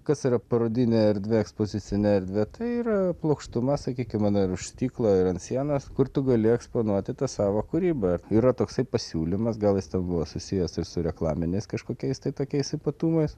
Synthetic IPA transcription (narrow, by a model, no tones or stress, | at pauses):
kɐsiɾɐpɐɾoːd̪ʲɪnʲeɛɾʲd̪ʲʋʲeɛkspoːzʲɪt͡ssʲɪnʲɛɛɾʲd̪ʲʋʲet̪ɐɪiːɾɐplˠɐʊkʃt̪ʊmɐsɐkʲiːkʲɪmɐnɪɾʊʃʲst̪ʲiːklˠoɪɾɐnt̪sʲiɛnɐskʊɾt̪ʊɡɐlʲɪɛksplˠonuɔt̪ʲɪt̪ɐsɑːʋoːkʊɾʲiːbɐiːɾɐt̪oːksɐɪpɐsʲuːlʲɪmɐsɡɐlˠjɪst̪ʲɛnbʊʋoːsʊsʲɪjɛsɪɾsʊɾʲɛklˠɑːmʲɪnʲɛɪskɐʃkoːkʲɛɪst̪ɐɪt̪oːkʲɛɪsɪpɐt̪uːmɐɪs